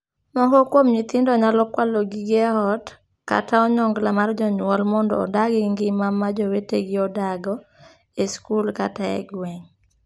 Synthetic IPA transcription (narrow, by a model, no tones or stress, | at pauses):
nɔɦokwomɲit̪ɪndɔɲalɔkwaloɡiɡɛɦɔt | ka̰taɔɲɔŋɡlamard͡ʒɔɲwɔlmɔndɔ̰ːdaɡɛŋɡɪmamːad͡ʒɔweteɡɪɔdaɡɔ | eskulka̰taɛ̰ɡwɛŋ